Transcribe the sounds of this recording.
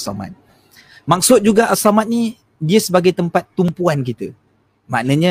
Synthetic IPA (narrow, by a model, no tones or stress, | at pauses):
sa̰ma̰t̪̚ | mak̚sʊt̪̚d͡ʒuɡaʔasamãt̪̚nĩ | diəsəbaɡajt̪əmpat̪ːumpuank̬it̪ə | mãʔnãɲã